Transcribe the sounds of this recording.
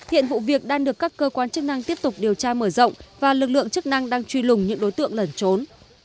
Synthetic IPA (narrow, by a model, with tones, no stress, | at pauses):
hḭ˧˨ənvṵ˧˨vi˨˩ək̚ɗaː˧ŋɗɨ˨˩əkːaː˦˥kːəː˧kwaː˨˧nt͡ɕɨ˦˥k̚na˧ŋt̪i˦˥əp̚t̪ʊ˨˩k͡p̚ɗi˨˩əwt͡ɕaː˧məː˧˩zə̰˧˨wŋ͡mvaː˨˩lɨ˨˩k̚lɨ̰˧˨əŋt͡ɕɨ˦˥k̚na˧ŋɗaː˧ŋt͡ɕwi˧lʊ˨˩ŋ͡mɲɨ̰˧˥ŋɗo˨˦jt̪ɨ̰˧əŋlə˨˩nt͡ɕo˨˦n